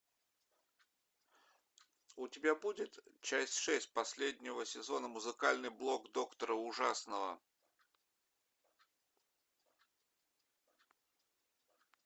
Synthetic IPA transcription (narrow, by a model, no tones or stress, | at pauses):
ʊtʲɪbʲabudʲɪt̪t͡ɕæsʲtʲʂɛsʲt̚ʲpɐsʲlʲedʲnʲɪvəsʲɪzo̞nəmʊzɨkalʲnɨjblˠo̞kd̪o̞kt̪əɾəʊʐasnəvə̰